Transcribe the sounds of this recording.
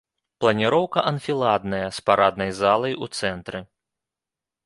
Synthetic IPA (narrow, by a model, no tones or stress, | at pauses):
plˠɐnʲiɾɔwkɐʔɐnfʲilˠad̪nɐjɐspaɾad̪̚nɐjzalˠɐjut̪sɛnt̪ɾɨ